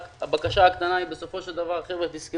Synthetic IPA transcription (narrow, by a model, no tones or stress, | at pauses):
habakaʃaːkt̪anaibeso̞fo̞ʃeld̪avaʁχevʁet̪iske